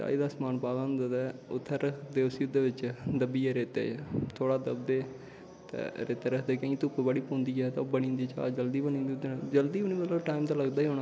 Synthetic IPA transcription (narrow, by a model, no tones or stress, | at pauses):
t͡ʃa̰ːiːd̪aːsmaːnpaːʋənd̪at̪ɛːʊt̪ʰːɛːɾəkʰd̪eːʊsiːʊd̪eːʋɪt͡ʃd̪əbiːɛːɾeːt̪ḛːt̪ʰoːɽaːd̪əbd̪eː | t̪ɛ̰ːɾeːt̪eːɾəkʰd̪eːkãːkit̪ʊkːobəɽiːpõːnd̪iːd͡ʒɛːt̪aːbəñĩːnd̪iːt͡ʃa̰ːd͡ʒəld̪iːbənĩːnd̪iːʊd̪eːnd͡ʒəld̪iːɦoːniːmət̪ləbʈaːimt̪aːləɡd̪aːiːɦoːnaː